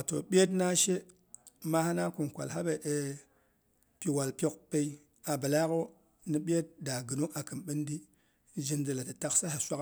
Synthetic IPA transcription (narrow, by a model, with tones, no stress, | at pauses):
a˨to̰˨ɓʲe˦tna˦ʃe˦ | ma˦ha˦na˦ku˨nkʷa̰˨lɦa˦be˨ʔe˨ | pi˨wa˨lpʲo˦k̚pe˦i˦ | a˨bə˨la˦ko˦ | ni˦ɓʲe˦t̚da˨ɡɨ˨no˦ʔa˨kɨ˨nɓi˦ndi˦ | d͡ʒi˦ndi˨la˨ti˨ta˦ksa˦ha˨sʷa˦k